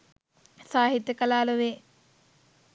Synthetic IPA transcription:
saːɦit̪jəkɐlaːlɐʋeː

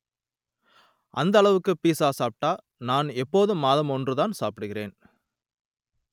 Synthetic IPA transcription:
ʔɐ̰nd̪ɐɭɐʋɯkːɯpiːsaːsaːp̚ʈːaː | naːnɛpːoːðɯmːaːðɐmɔndrɯtðaːnsaːpɪɽɯɣɪrḛːn

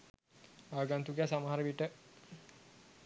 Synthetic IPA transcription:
aːɡant̪uɡjasamaɦaɾəʋiʈə

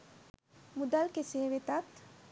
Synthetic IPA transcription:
mud̪alkeseːʋet̪at̪

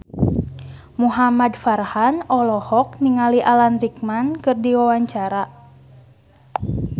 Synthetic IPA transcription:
muɦamadfarhanɔlɔhɔkniŋaliʔalanrik̚mankɨrdiwawaɲt͡ʃaɾa

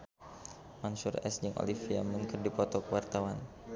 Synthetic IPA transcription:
mansʊrɛ̰sd͡ʒɨŋʔo̰lifia̰mənkɨrdipɔt̪ɔkəwart̪awan

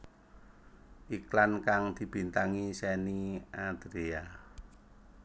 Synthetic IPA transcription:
ʔiklankaŋd̪̥i̤b̥int̪aŋisɛniad̪̥ɾea

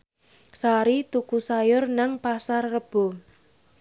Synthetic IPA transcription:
saɾit̪ukusajʊrnaŋpasarːəb̥o̤

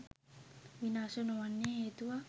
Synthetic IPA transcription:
ʋinaːsənoʋanːeɦeːt̪uʋa

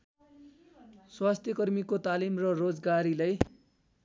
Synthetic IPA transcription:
swast̪ʰjʌkʌrmikot̪alimrʌrod͡zɡaɾilaj

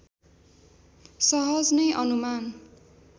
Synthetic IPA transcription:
sʌɦʌd͡znʌjʔʌnuman

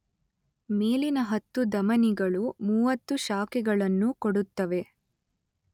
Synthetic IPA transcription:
me̞ːlinɐɦɐt̪ːud̪ɐmɐniɡɐɭumuːʋɐt̪ːuʃaːkɛɡɐɭɐnːukoɽut̪ːɐʋe̞

